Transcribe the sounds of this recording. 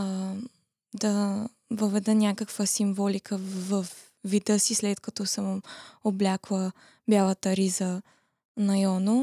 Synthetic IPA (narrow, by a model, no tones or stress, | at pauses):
d̪ɐ | vəvɛd̪ɛnʲakəkvəsimvɔlikʰəvɐf | vid̪əsislɛt̪kɐt̪ɔsəmoblʲaklˠə | bʲjalˠɐt̪əɾizə | nɐjɔno